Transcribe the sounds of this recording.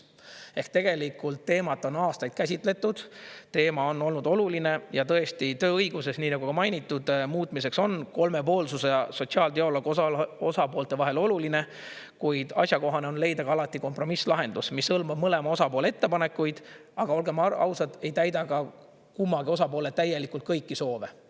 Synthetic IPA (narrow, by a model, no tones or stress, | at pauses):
e̞hkt̪e̞ɡ̥e̞likˑult̪ːe̞ːmɑt̪ːˑo̞nɑːst̪ɑjd̪̥̚kæsʲit̪ˑle̞t̪ːˑud̪̥t̪e̞ːmɑo̞nːo̞lnud̪o̞luline̞jɑt̪ɤ̞e̞sʲt̪it̪ø̞ːɤjɡ̥use̞sniːnɑɡukɑmɑjnit̪ːˑud̪̥muːt̪ˑmis̬e̞kso̞nko̞lme̞po̞ːlsuseso̞t̪ʲsiɑːlt̪eo̞loɡosɑpo̞ːlt̪e̞vɑɦe̞lo̞luline̞ | kujd̪̥ɑ̰sjɑko̞ɦɑne̞o̞nle̞jd̪ɑɡɑɑlɑt̪ːˑiko̞mpro̞mislɑɦe̞nd̪̥usmishɤlmɑb̥̚mɤle̞mɑo̞sɑpoːleet̪ːe̞pɑne̞kːˑujd̪̥ɑɡ̥ɑo̞lɡe̞mɑɑ̰wsɑd̪e̞jt̪æjd̪ɑɡɑ | kumːɑɡio̞sɑpo̞ːlet̪ːæjːe̞likult̪̚kɤjkːiso̞ːve̞